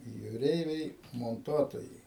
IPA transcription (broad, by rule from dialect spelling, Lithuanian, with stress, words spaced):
juːˈrʲɛɪʋʲɛɪ moːnˈtuɔtoːjɛɪ